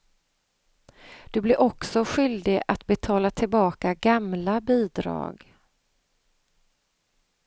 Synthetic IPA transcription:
d̪̥ɵblɪɾʔɔksɔɧʏld̪ɪɡat̪bɛt̪ʰɑːlat̪ʰɪlbɑːkaɡamlabiːd̪ɾɑ̰ːɡ

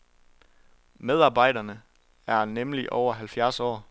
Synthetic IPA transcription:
með̞ˠɑ̈ːb̥ɑ̈ɪ̰dɐnə | æɐnemliʔɒʊɐɦælfjæɐsɒ̰ː

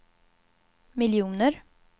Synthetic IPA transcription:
mɪljuːnəɾ

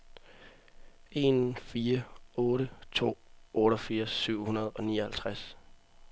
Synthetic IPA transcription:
e̝nfiːɐɔ̽ːɾət͡sʰo̝̰ːʔɔ̽ːɾɒfiːɐsːyʊ̰hunɐð̞̩ˠɒ̽niːɒ̽hælt͡sʰʁas

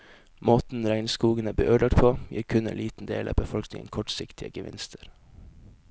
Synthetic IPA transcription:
moːt̪n̩ɾæɪnskuːɡənəbəʔøːɖɑʈpʰoːjḭːɾkʰʉnɛḛnliːt̪n̩d̪ḛːlʔɑ̰ːbəfɔlknɪŋə̰nkʰɔʈsɪkt̪ʰɪəɡəʋɪ̰nst̪ʰəɾ

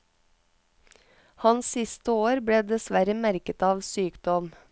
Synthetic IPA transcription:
hɑnssɪst̪əoːɾbɽeːd̪ɛsʋæɾəmæɾkət̪ɑːʋsyːkd̪ɔm

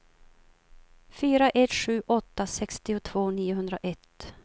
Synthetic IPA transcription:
fyːɾaʔɛt̪ɧʉ̟ːʔɔt̪ːasɛkst̪ɪʊt̪ʰv̥oːniːʊɦɵnd̪ɾaʔɛt̪ː

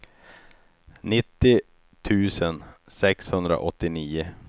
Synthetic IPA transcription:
nɪt̪ːɪ | t̪ʰʉ̟ːsənsɛkshɵnd̪ɾa̰ʔɔt̪ːɪniːʊ

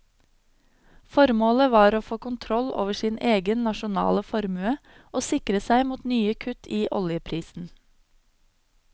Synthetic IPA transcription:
fɔɾmoːləʋɑːɾoːfoːkʊnt̪ʰɾɔlo̰ːʋəʃiːneːɡənnɑʃʊnɑ̰ːləfɔɾmʉə | ʔoːsɪkɾəsæɪmuːt̪nyːəkʰʉt̪ʰiːʔɔ̰ljəpʰɾiːsn̩

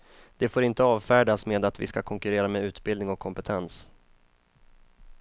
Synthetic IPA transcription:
d̪̥ɛfoːɾɪnt̪əɑːvfæːɖasmeːd̪at̪vɪ̰skakʰɔŋkɵɾeːɾameːʉ̟ːt̪bɪld̪nɪŋɔkʰːɔmpɛt̪ʰɛns

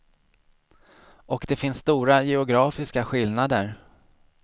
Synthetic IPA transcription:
ɔkd̪ɛfɪnsːt̪uːɾajɛʊɡɾɑːfɪskaɧɪlnad̪əɾ

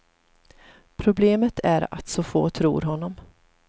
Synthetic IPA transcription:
pʰɾʊbleːmət̪ʰæɾa̰t̪sɔfo̰ːt̪ʰɾṵːɾɦɔnːɔm

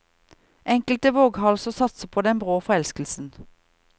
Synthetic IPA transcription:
ʔɛŋkəlt̪əʋoːɡhɑlsɔsɑt̪səpʰoːd̪ɛnbʁoːfɔʁɛlskəl̩sn̩

